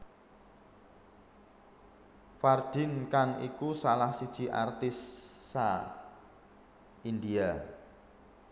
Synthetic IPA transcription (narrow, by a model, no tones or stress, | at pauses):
fard̪̥ɪ̤nkaŋḭkusalahsid̥ʒ̥i̤ʔa̰rt̪ɪsːa | ind̪ia